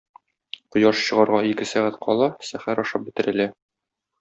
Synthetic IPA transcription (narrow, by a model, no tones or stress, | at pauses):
qŏjɑʃɕɤ̆ʁɑɾʁɑikɘsæʁæt̪qʰɒlˠɑsæχæɾɒʃɑp̚bɘ̆t̪ɘ̆ɾɘ̆læ